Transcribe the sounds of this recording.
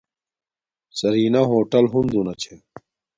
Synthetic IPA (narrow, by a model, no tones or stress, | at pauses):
sɐɾiːnɐɦoːʈɐlɦund̪unɐt͡ɕʰe